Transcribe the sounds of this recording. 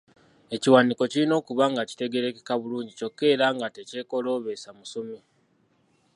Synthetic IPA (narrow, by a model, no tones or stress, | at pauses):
e̞ciwaniko̞ciɾino̞ːkuβaŋɡaci̥te̞ɡe̞ɾe̞kekaβuluːɲɟico̞kːe̞ːɾaːŋɡate̞ce̞ːko̞lo̞ːβe̞samusomi